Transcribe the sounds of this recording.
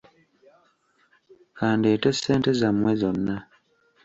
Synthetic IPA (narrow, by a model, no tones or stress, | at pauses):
kaːndieːtesːeːntezamwezo̞nːa